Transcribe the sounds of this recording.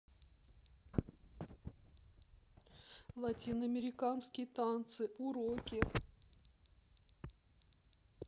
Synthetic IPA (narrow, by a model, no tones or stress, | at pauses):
lˠɐtʲinɐmʲɪɾʲɪkanskʲɪjt̪ant̪sɨʔʊɾokʲɪ